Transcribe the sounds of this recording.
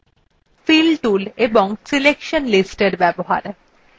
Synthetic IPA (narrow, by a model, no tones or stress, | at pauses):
filʈuleboŋsilekʃonlisʈeɾbɛboɦa̰ɾ